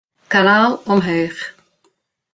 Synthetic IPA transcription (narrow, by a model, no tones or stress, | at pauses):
kanaːlˠɔmɦœɥχ